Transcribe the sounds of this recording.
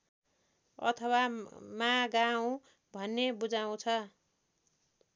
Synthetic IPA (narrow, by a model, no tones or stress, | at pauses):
ʌ̰t̪ʰʌwamãɡaũ | bʱʌnːebud͡zaũt͡sʰʌ